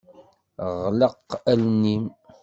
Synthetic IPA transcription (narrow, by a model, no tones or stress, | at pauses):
ʁləqːælnim